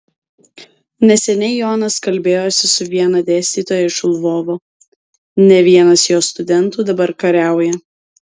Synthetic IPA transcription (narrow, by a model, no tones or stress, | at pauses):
nʲɛsʲɛnʲɛɪjoːnɐskɐlʲbʲeːjoːsʲɪsʊʋʲiɛnɐd̪ʲeːsʲt̪ʲiːt̪oːjɛɪʃlˠʋoːʋoː | nʲɛʋʲiɛnɐsjoːst̪ʊd̪ʲɛnˑt̪uːd̪ɐbɐɾkɐɾʲæˑʊjɛ